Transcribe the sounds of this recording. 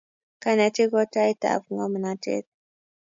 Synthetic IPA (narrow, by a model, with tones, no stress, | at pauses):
ka˦na˨˦te˦kɔ˦ta˦i˦ta̰˨vu˨ŋa˦mu˨na˦tɛ̰˦t̪̚